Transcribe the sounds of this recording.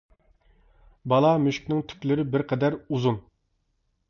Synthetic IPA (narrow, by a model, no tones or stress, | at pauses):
bɑlˠɑmyʃkʲnɪŋt̪ʰy̥kʲlɪɾɪbɪɾqʰɛd̪æɾuzun